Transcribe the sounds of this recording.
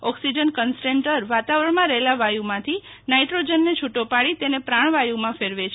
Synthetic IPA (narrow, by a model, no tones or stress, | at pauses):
ɔksid͡ʒənkənsʈeɳʈəɾʋat̪aʋɾəɳmãɾəɦelaʋajumãt̪ʰinaiʈɾod͡ʒənːet͡ʃʰuʈopaɽit̪enepɾaɳ̃ʋajumãfeɾʋet͡ʃʰe